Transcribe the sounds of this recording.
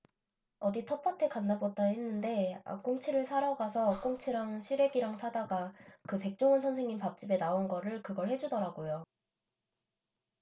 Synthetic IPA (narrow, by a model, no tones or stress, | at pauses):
ʌditʰʌp͈ʰʌtʰe̞kanːabot̚t͈aɦenːɯnde̞a̰k͈oŋt͡ɕʰiɾɯɭsʰaɾaɡasʰʌk͈oŋt͡ɕʰiɾaŋɕʰiɾe̞ɡiɾaŋsʰadaɡakɯpe̞k̚t͡ɕ͈oŋɯnsʰʌnsʰe̞ŋɲimpap̚t͡ɕ͈ibe̞naonɡʌɾɯɭkɯɡʌɭhe̞d͡ʑudʌɾaɡojo